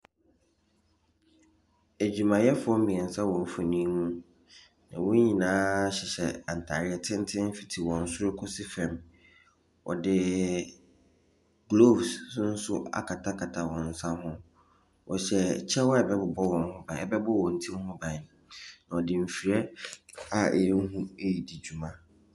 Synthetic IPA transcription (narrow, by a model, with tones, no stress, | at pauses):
æ˨d͡ʑᶣu˨mã˨jɛ˦fʊ˨˦ɔ˦m̩˦mĩ˨ɛ˨n˨sã˦wɔ̃˨m̩˦fɔ˨nĩ˦nũ˦ | nã̰˨wʊ̃˦ɲĩ˨nãː˦ɕɪ˨ɕɛ˨ã˨n̩˨tʰa˨ɾɪ˦ɛ˦tʰɪ̃˦n̩˦tʰɪ̃˦n˦fi̥˨tʰi˨wɔ̃˨n̩˦sʊ˦ɾʊ˦kʰʊ˦sɪ˦fɛ̃˨m | wɔ̰˨dɪ˨ | ɡlo˦˨bssʊ˦n̩˦sʊ˦a̰˨kʰa˨tʰa˦kʰa˨tʰa˨wɔ̃˨n̩˨sã˦ɦʊ̃˦ | wɔ˨ɕɛ˨t͡ɕʰɛ˦wɔ˦ɛ˨bɛ˦bʊ˨bɔ˦wɔ̃˨n˦hʊ̃˦bã˨ɛ˨bɛ˦bʊ˦wɔ̃˨n̩˨˦tʰĩ˦m˦hʊ̃˦bã˨nã˨ɔ˨dɪ˨m̩˨fi˨ɾɛ˦ | a˨ɛ̰˨˦ɦũ˦e˦ji˨di˨d͡ʑᶣu˨mã˦